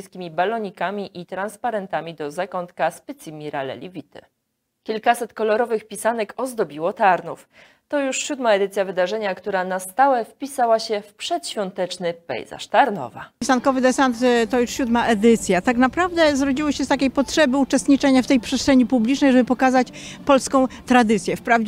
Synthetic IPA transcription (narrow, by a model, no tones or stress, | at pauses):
skʲimʲibalɔɲikamʲiʔit̪ɾanspaɾɛnt̪amʲid̪ɔzakɔnt̪kaspɘt̪simʲiɾa̰lɛ̰lʲḭvʲit̪ɘ̰ | kʲilkasɛt̪kɔlɔɾɔvɘxpʲisanɛkɔzd̪ɔbʲiwɔt̪aɾnuf | t̪ɔjuʂɕud̪maɛd̪ɘt̪sʲjavɘd̪aʐɛɲakt̪uɾanast̪awɛfpʲisawaɕɛfpʂɛt̪ɕfʲjɔnt̪ɛt͡ʂnɘpɛ̰jza̰ʂt̪aɾnɔ̰va̰isankɔvɘd̪ɛsant̪t̪ːɔjuʂɕud̪maʔɛd̪ɘt̪sʲjat̪aknapɾavd̪ɛzɾɔd͡ʑiwɘɕɛst̪akʲejpɔtʂɛbɘut͡ʂɛst̪ɲit͡ʂɛɲaft̪ɛjpʂɛst̪ʂɛɲipublʲit͡ʂnɛjʐɛbɘpɔkazat͡ɕ | pɔlskɔ̃w̃t̪ɾad̪ɘt̪sʲjɛfpɾavd͡ʑ